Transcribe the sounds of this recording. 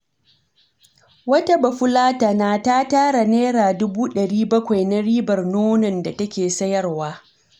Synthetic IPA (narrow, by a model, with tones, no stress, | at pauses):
wɐ˦ta˦bɐ˨ɸʊ˦laː˦ta˨naː˦ta˦taː˦ɽa˨neː˦ɾaː˨dʊ˦buː˦ɗɐ˨ɽiː˦bɐ˦kʷa˨jna˦ɽiː˦bɐ˨rnoː˦nɐ˨nda˨tɐ˦kʲeː˨sɐ˦jɐ˦rwaː˦